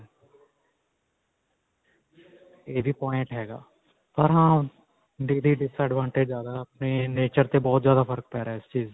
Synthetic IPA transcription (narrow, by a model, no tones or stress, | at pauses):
eːbʱiːpɔːɪ̃ɳʈɦɛːɡa̰ː | pəɾɦãː | ɖiːliːɖɪsəːɖʋãːɳʈed͡ʒzjaːd̪aəpneːneːt͡ʃəɾt̪ebɔːt̪zjaːd̪aːpʰəɾək̚pɛːɾaɛɪst͡ʃiːz